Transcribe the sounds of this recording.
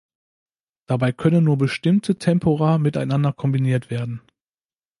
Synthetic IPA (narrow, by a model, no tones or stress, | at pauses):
d̥abaɪkʰœnənːuːɐbəʃtɪmtʰətʰɛmpʰoʁaːmɪtaɪnandɐkʰɔmbiniːɐtv̥eːɐdn̩